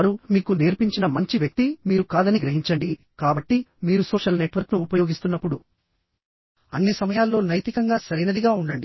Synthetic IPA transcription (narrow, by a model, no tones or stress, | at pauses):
ɾumiːkuneːɾpiɲt͡ʃinɐmɐɲt͡ʃiʋjɐk̚t̪imiːɾukaːd̪ɐniɡɾɐɦiɲt͡ʃɐɳɖi | kaːbɐʈːimiːɾusoːʂɐlne̞ʈʋɐɾknuːpɐjo̞ːɡist̪unːɐpːuɽu | ɐ̰nːisɐmɐjaːlːo̞ːnɐjt̪ikɐŋɡaːsɐɾinɐd̪iɡaːuɳɖɐɳɖi